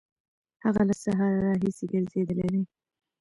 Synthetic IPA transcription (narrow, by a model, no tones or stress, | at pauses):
haɣalasaɦɑɾɾːɑɦiseɡəɾzed̪əled̪e